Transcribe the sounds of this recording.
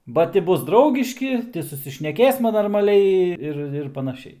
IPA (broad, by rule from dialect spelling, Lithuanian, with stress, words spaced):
bɐ ˈtʲɪ ˈbʊs ˈdrɐʊɡʲɪʃʲkʲɪ ˈtʲɪ sʊsʲɪʃʲnʲɛˈkʲeːsmɐ noːrmɐˈlʲɛɪ ˈɪr ɪr pɐnɐˈʃʲɛɪ